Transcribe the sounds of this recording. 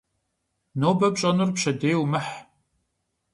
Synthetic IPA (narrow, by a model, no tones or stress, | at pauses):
noːbɐpɕʼɐnurpʃɐdeːjwmɐħ